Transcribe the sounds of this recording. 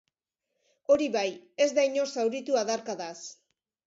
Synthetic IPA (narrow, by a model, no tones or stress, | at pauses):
o̞ɾiβaje̞zd̪ajɲo̞sawɾit̪uaðaɾkaðas